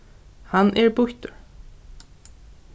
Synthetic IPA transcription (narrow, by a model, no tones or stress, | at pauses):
hanʔɛɹbʊht̪ʊɹ